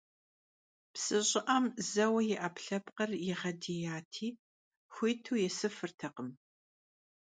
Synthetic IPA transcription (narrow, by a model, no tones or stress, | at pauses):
psɨɕʼɪʔɐmzɐwɐjɛʔɐpɬɐpqɐrjɪʁɐdijaːtʰiː | xʷiːtʰuːjɛsɨfɨrtʰɐqəm